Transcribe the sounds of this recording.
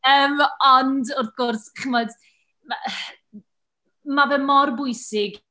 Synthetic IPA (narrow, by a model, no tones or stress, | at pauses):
əːmɔndɔrθɡ̥ɔrsχəmɔd | mavɛmɔrbʊɨsɪɡ